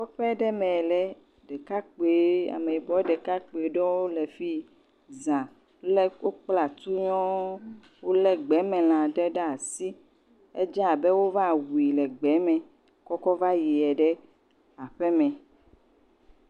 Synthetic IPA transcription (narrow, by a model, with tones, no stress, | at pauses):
kɔ˦ɸɛ˦ɖɛ˦mɛ̃˨lɛ˨ | ɖɛ˨ka˦k͡pe˨˦a̰˨me˨i˨bɔ˨˦ɖɛ˨ka˦k͡po˨e˨ɖɔ˦wo˦lɛ˨fi˦ | zã˨˦ | lɛ˦wo˦k͡pla˨t̪u˦ɲɔ̃˦ | wo˦lɛ˦ɡ͡bɛ˨˦mɛ̃˨l̃ã˨ɖɛ˦ɖɛ˦a˨si˦ | ɛ̰˦d͡ʒɛ˦a˨bɛ˦wo˦va˦˨wu˨i˨lɛ˨ɡ͡bɛ˨˦mɛ̃˨ | kɔ˦kɔ˦va˦ji˨ɛ˨ɖɛ˦ | a˨ɸɛ˦mɛ̃˨